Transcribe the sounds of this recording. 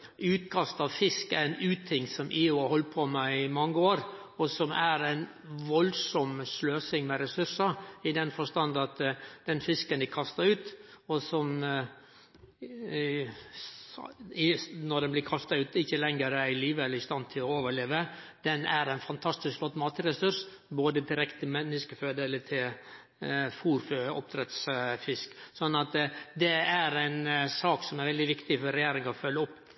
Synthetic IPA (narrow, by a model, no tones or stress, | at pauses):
ʉːt̪kʰɑst̪ɑʋfɪskææɪnʉːt̪ʰːɪŋsɔmʔiːʊhɔlt̪̚pʰɔmæɪmɑŋːəoːɾ | ɔsɔmæɾæɪn | ʋɔlsɔmsløːsɪŋmɛɾɛsʉʂəɪd̪ɛnfɔʂt̪ɑnd̪ɑt̪d̪̥ɛnfɪskənd̪ɪkʰɑst̪ɑʉːt̪ɔsɔm | ɪnɔɖ̪ɛnblɪkʰɑst̪ɑʉːt̪ɪçːəlɛŋːəɾæɪliːʋəɛlːəɾɪst̪ɑnt̪ʰɪlɔoːʋəɭeːʋə | d̪̥ɛnæɾæɪnfɑnt̪ʰɑst̪ɪskflɔt̪mɑːt̪əɾɛsʉɾʂ | boːd̪ət̪ʰɪlɾɛkt̪ʰɪmɛnːɪskəføːd̪eːlət̪ʰɪl | fuːɾføɔ̰p̚t̪ʰɾɛt̪sfɪsksɔnːɑt̪d̪ɛæɾæɪnsɑːksɔmæɾʋɛld̪ɪʋɪkt̪ɪfɔɾɾɛjeːɾɪŋɑɔfœlːəɔpː